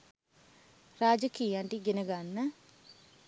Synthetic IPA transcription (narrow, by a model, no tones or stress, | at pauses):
raːd͡ʒəkijaɳʈiɡenəɡanːə